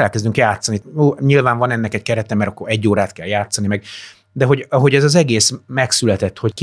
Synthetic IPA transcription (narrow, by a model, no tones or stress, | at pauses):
ɛlkɛzd̪yŋkjaːt̪sːɒniuːɲilvaːɱvɒnɛnːɛkɛc̚kɛɾɛt̪ɛmɛɾɒkːoɾɛɟːoːɾaːt̪kɛljaːt̪sːɒnimɛɡ̚ | d̪ɛɦo̞ɟɒɦo̞ɟɛzɒzɛɡeːsmɛksylɛt̪ɛt̪ːho̞ck